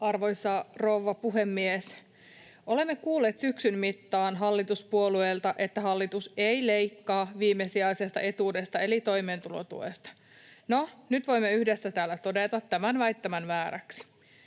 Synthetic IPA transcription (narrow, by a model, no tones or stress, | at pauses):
ɑrʋo̞jsːɑroʋːɑpuɦemːies | ole̞mːekuːlːeːt̪syksynmit̪ːɑːnɦɑlːit̪uspuolueːlt̪ɑʔe̞t̪ːæɦɑlːit̪usejlejkːɑːʋiːmːesiɑisest̪ɑ̰ʔe̞t̪uːdest̪ɑe̞lit̪o̞jmeːnt̪ulo̰t̪ṵḛst̪ɑ̥ | nonyt̪ʋo̞imːeyhdesːæt̪æːlːæt̪o̞det̪ɑt̪ːæmænʋæjt̪ːæmænʋæːɾæ̰ksi̥